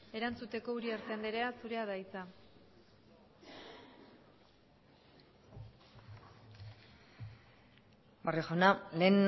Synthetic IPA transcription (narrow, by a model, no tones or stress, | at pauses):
e̞ɾant͡sut̪e̞ko̞uɾieɾt̪eand̪eɾe̞asuɾe̞aðajt͡sa | barexonalen